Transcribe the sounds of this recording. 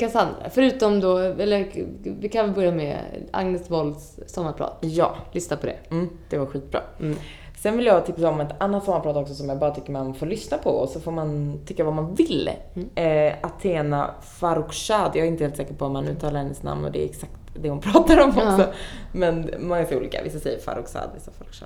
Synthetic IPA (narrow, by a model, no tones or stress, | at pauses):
kʰasand̪ɾa̰fœɾʉ̟ːt̪ɔmd̪ɔɛlːəvɪkʰanvɛlbœɾjamɛ̰a̰ŋnəsvɔlsːɔmːaɾpʰɾɑ̰ːt̪jɑ̰ːlʏsnapʰɔd̪ɛ̰m̩ːd̪̥ɛvaɾɧiːkt̪̚bɾɑ̰ː | sɛnvɪljɑt̪ʰɪpsaɔmɛt̪anːat̪sɔmːaɾpɾɑːt̪ɔksɔsɔmjɑːɡbɑːɾat̪ʰʏkːəmɛɔmanfoːɾlʏsnapʰɔ̰ɔ̰sɔfoːɾmant̪ʰʏkːavamanvɪlː | ɛat̪ʰeːna̰ | faɾʊkʂaːd̪jɑɡɛɾɪnt̪əhelsɛːkəɾpʰɔat̪manʉ̟ːt̪ʰɑːlaɾhɛnːəsna̰mnɔ̰d̪ɛ̰ɾɛksak̚t̪d̪ɛhʊnpʰɾɑːt̪aɾɔmɔksɔmɛnmɔŋːasɛɾuːlḭːka̰vɪ̰sːasɛjːəɾfa̰ɾʊksa̰ːd̪vɪ̰sːafaɾʊkʂa̰